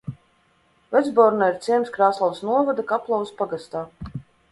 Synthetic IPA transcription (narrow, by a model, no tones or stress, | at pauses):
vɛd̪zbɔɾnaiɾt̪sʲiɛmskɾaːsalˠsnuɔvad̪akaplˠawspaɡast̪aː